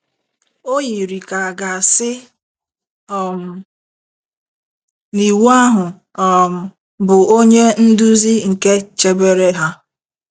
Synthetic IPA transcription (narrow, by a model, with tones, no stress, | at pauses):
o˦ji˨ɾi˨ka˨a˨ɡa˨sɪ˦ | ɔ˦m̩˨ | ni˨wu˦a˦ɦʊ˨ | ɔ˨m̩˨ | bʊ˨o˦ɲe˦n̩˦du˦zi˦ŋ̩˨ke˦t͡ʃe˦be˦ɾe˦ɦa˦